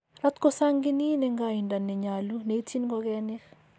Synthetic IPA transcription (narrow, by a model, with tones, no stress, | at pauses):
ra˦t̪ko˦sa˦ŋɡɪ˦ni˦nɛŋɡai˨nda˨nːɛ˨ɲa˨lu˦ne˨i˦ti˦nɡɔɡɛnɪk